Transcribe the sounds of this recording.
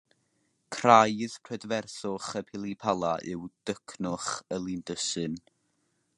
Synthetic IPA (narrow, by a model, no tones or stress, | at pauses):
kʰrajðpʰrɛdvɛrθʊχəpʰɪlˠipʰalˠaʔɨwd̥əkʰnʊχəlˠindəsɨn